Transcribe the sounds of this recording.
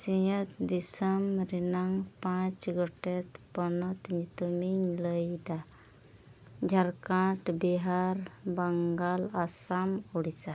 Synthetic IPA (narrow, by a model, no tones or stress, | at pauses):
sijət̪d̪isəmɾinaŋpãt͡ʃɡɔʈet̪pɔnɔt̪ɲit̪umiɲləjd̪a | d͡ʒʱaɾkãʈbiɦaɾbəŋɡalasamuɽisa